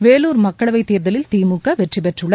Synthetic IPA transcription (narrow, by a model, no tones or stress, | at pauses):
ʋeːluːɾmɐkːɐɭɐʋɐɪt̪ːiːɾðɐlɪlt̪iːmukːɐʋɛʈripɛʈrɯɭɐ